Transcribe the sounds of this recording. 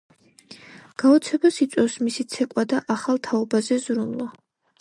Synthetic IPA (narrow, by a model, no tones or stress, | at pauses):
ɡ̥aɔt̪sʰɛbasit̪sʼɛfsmisit̪sʰɛkʼwad̪aʔaχalˠt̪ʰaɔbazɛzɾunlˠa